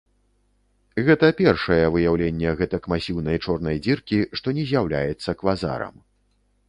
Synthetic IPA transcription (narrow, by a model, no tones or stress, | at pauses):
ɣɛt̪ɐpʲɛrʂɐjɛvɨjawlʲenʲːɛɣɛt̪ɐkmasʲiwnɐjt͡ʂɔrnɐjd͡zʲirkʲiʂt̪ɔnʲɛzʲjawlʲajɛt̪sːɐkvaza̰ɾɐ̰m